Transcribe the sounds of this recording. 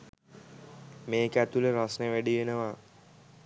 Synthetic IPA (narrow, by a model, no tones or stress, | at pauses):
meːkæt̪uləɾasnəʋæɖiʋenəʋa